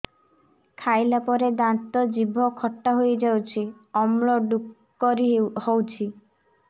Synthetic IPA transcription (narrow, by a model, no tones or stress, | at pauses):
kʰajlapɔɾed̪ant̪ɔd͡ʒibʱɔkʰɔʈːaɦojed͡ʒawt͡ʃʰi | ɔmɭɔɖukː | ɔɾihowt͡ʃʰi